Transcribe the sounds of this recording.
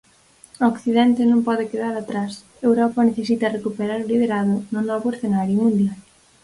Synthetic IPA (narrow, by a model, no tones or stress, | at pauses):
okθiðɛnt̪ɪnõmpɔðekeðaɾat̪ɾas | ewɾɔpɐneθesit̪ɐrekupeɾaɾʊliðeɾaðʊnʊnɔβʊeθenaɾjʊmũnd̪jal